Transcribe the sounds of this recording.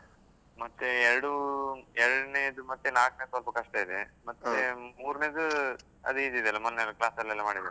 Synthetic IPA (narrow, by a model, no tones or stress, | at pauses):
mɐt̪ːuɛɾɐɽuɛɾɐɽneːd̪umɐt̪ːenaːknesʋɐlpɐkɐʂʈɐid̪emɐt̪ːemuːɾneːd̪u | ɐ̰d̪iːd̪id̪ɛɐlɐmɐnːelɐklaːsd̪ɐlːɐlːɐmaːɽid̪ɐ